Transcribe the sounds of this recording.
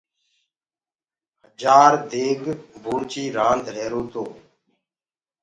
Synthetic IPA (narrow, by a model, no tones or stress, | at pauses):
ɦəd͡ʒaːɾd̪eːɡbʱuːɳt͡ʃiːɾãːnd̪ʱɾeːɾoːt̪oː